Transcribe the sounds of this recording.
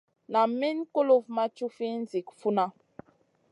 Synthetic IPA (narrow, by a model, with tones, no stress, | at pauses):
na˨mi˦nko˦lo˦vma˦t͡ʃu˦fi˦n˦zi˨kfu˦na˦